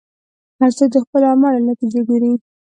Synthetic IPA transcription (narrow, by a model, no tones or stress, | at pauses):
hazad̪əxpəlamɑɽanat̪id͡ʒaɡaɾi